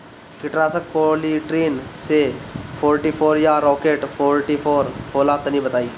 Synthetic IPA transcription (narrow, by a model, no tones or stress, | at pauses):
kɪʈɾaːsək̚poliʈɾiːnsepʰoːɾʈiːpʰoːɾjaɾɔːkeːʈpʰoːɾʈipʰoːɾpʰoːlaːt̪ənĩbət̪aːiː